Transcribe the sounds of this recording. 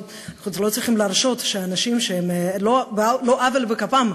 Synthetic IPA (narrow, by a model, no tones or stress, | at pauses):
aχnut͡slo̞t͡sʁiχimlaʁʃo̞t̪ʃeanaʃimʃeemloblo̞ʔavelbekapam